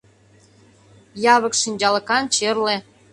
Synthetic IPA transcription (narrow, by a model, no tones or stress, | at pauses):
jɑβə̆kʃinʲd͡ʑɑlə̆kɑnt͡ɕerle